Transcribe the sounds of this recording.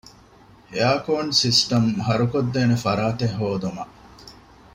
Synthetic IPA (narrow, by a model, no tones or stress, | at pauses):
eaːkoːɳsisʈɐmɦɐɾukod̪ːeːnefɐɾaːt̪eɦːoːd̪umɐʔ